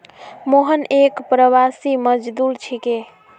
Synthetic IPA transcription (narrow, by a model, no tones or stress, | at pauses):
moɦənekpɾəʋasiməd͡ʒd̪uɾt͡ʃʰike